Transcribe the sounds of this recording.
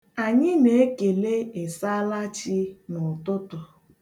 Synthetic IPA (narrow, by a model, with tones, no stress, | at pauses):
a˨ɲɪ˦ne˨e˦ke˨le˦e˨sa˦la˦t͡ʃɪ˦nʊ˨tʊ˦tʊ˨